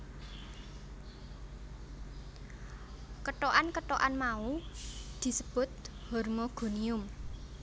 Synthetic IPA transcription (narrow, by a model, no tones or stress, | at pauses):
kəʈoʔankəʈoʔanmaud̪̥i̤səb̥ʊ̤t̪̚ | hɔrmoɡ̥o̤niʊm